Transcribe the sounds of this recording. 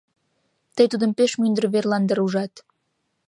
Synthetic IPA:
t̪əjt̪ud̪əmpeʃmynd̪ərβerlɑnd̪əɾuʒɑt̪

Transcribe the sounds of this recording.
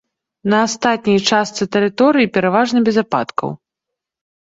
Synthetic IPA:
nɐːst̪at̪̚ʲnʲijt͡ʂast̪sɨt̪ɛɾɨt̪ɔɾɨjipʲɛɾavaʐnɐbʲɛzapa̰t̪kɐ̰w

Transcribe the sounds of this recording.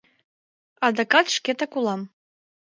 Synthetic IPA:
ɑd̪ɑkɑt̪ʃket̪əkulɑm

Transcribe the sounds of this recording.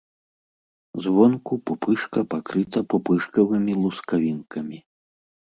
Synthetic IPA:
zvɔnkupupɨʂkɐpakɾɨt̪ɐpupɨʂkɐvɨmʲilˠuskavʲinkʰɐmʲi

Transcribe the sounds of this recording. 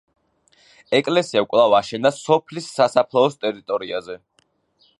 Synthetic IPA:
ɛkʼlɛsiakʼlˠavaʃɛnasɔpʰlisːasapʰlˠɔːst̪ʼɛɾit̪ʼɔɾiazɛ

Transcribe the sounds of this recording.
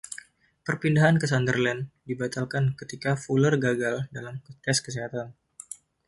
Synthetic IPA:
pərpindaɦankəs̬andərlɛndibat̪alkankət̪ikafulərɡaɡaldalamt̪ɛskəseɦat̪an

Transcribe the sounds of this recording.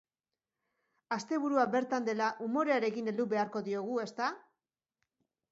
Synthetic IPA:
ast̪e̞βuɾuaβe̞ɾt̪and̪e̞laʔumo̞ɾe̞aɾe̞kine̞ld̪uβe̞aɾko̞ðio̞ɣ̞ue̞st̪a

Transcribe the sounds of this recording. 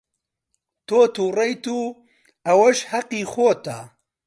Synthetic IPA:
t̪oːt̪uːrɐjt̪uː | ɐwɐʃhɐqiːxoːt̪a

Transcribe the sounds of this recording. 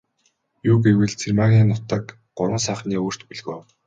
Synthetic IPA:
juːɡewɘ̆ɮt͡sʰermaːɣniːnʊt̪ə̆k | ɢ̥ʊɾwə̆ns̬æːχniːoːr̥t̪puɮɣoː

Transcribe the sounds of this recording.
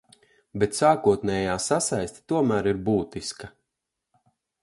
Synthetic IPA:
bet̪saːkuɔt̪nɛːjaːsasajsʲt̪ʲi̥t̪uɔmæːɾiɾbuːt̪iskɐ

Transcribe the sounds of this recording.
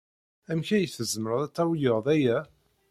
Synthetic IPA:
æmçæjθəzməɾəðˤæt͡sːæwjəʁðæjæ

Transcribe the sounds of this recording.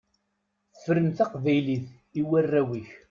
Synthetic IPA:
θə̥fəɾəmθaqvæjliθ | iwærːæwiç

